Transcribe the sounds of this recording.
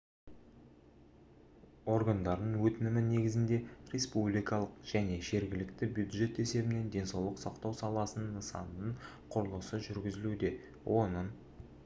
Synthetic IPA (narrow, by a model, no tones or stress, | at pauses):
o̞ɾɡand̪ɑɾd̪əɴwɵt̪ɪnɪmɪne̞ɡʲɪzɪnd̪e̞rʲe̞spublijkɑlˠəqʒ̥æne̞ʒe̞ɾɡʲɪlɪkt̪ɪbjud̪ʒe̞t̪e̞se̞bɪne̞nd̪e̞nsɑwlˠəqsɑqt̪ɑwsɑlˠɑsənəɴːəsɑ̰nnəɴ | qʰʊɾəlˠəsəʒʏɾɡʲɪzɪlud̪e̞ | wʔo̞nəɴ